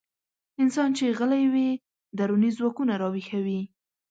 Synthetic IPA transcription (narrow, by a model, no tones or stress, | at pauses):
ɪnsɑnt͡ʃeɣəlajwi | d̪aɾunizwɑkunaɾɑwixawi